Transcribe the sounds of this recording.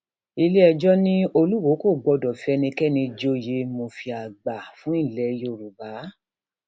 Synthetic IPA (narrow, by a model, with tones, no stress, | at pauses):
i˧le˦ɛ˧d͡ʒɔ˦nĩ˦o˧lu˦wo˨˦ko˦˨ɡ͡bɔ˨˧dɔ˨fi˦ɛ˧nĩ˧kɛ˦nĩ˧d͡ʒo˦je˧˦mo˧fi˧a˨ɡ͡ba˨fũ˨˦ĩ˦˨lɛ˨˦jo˦˨ɾu˨ba˨˦